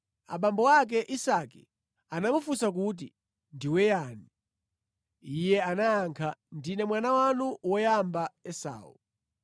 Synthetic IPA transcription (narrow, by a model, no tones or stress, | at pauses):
a̰ɓambɔwak̬ɛʔisakḭ | anamufusak̬ut̬ḭ | ndiwɛjani | ijɛanaːŋkʰandinɛmwanawanuwɔjambaɛsa̰ːṵ